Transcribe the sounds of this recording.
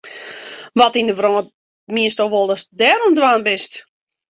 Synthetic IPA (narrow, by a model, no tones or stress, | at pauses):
ʋɔtindəʋrɔː | miəstoʋɔlˠəsdɛːɾɔmdwaːnbɪst